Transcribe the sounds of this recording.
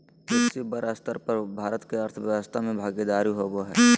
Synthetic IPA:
ʊsibəɾəst̪əɾpəɾbʱaːɾət̪keəɾt̪ʰəʋjəʋəst̪ʰamẽbʱaːɡed̪aːɾiɦoboɦɛː

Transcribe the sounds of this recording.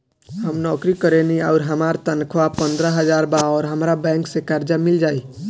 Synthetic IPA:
ɦəmnɔkɾikəɾeniaʊɾɦəmaɾt̪ənkʰʋapənd̪ɾəɦəd͡ʒaɾbaɔːɾɦəmɾabɛ̃ŋksekaɾd͡ʒamild͡ʒai

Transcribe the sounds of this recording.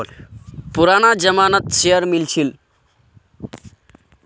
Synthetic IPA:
puɾaːnad͡ʒəmaːnət̪ʃejəɾmilt͡ʃʰil

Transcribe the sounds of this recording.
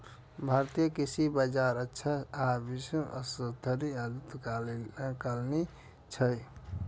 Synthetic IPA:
bʱaɾt̪ijəkisibəd͡ʒaɾətːʃʰaabisũʔəsəd̪ʱəɾiad̪ut̪kalkalni | t͡ʃʰəj

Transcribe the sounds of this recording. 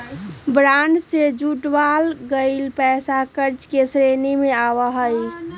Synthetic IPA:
bɾaɳɖsed͡ʒuʈʋalɡəɪlpɛsakəɾd͡ʒkesɾenimeaʋəɦəj

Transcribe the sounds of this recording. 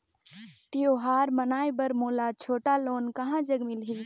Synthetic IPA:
t̪ijoɦaːɾmənaːjbəɾmoːlat͡ʃʰoːʈaloːnkəɦãd͡ʒəɡmɪlɦi

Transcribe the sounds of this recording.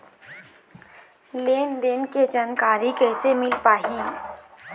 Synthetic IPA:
leːnd̪enked͡ʒaːnkaːɾikɛːsemɪlpaːɦi

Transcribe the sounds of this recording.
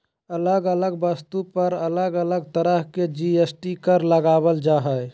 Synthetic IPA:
ələɡələɡbəst̪upəɾələɡələɡt̪əɾəɦked͡ʒiesʈikəɾləɡabəld͡ʒaɦəj

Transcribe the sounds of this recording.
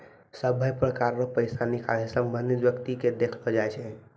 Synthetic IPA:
səbʱəjpɾəkaɾɾəpəɪsanikalisəmbʱənd̪ʱit̪ʋjəkt̪iked̪ekʰlɔd͡ʒajt͡ʃʰɛ

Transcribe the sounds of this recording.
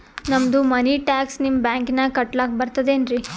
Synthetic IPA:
nɐmd̪umɐniʈaːksnimbaːŋknɐkɐʈlaːk̚bɐɾt̪ɐd̪enɾi

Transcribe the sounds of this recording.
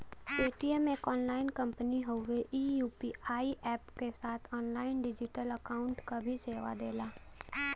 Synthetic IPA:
eːʈiemeːkɔːnlaːɪnkɐ̃mpəniɦəʊʋeʔiːjuːpiaːiʔɛːpkesaːt̪ʰɔːnlaːɪnɖɪd͡ʒɪʈələkaːʊ̃ɳʈkabʱiseːʋa̰d̪eːlaː

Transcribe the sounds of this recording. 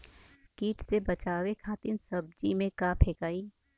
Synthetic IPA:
skiːʈsebɐt͡ʃaːʋekʰaːt̪ɪnsɐb̚d͡ʒimẽkaːpʰeːkaːiː

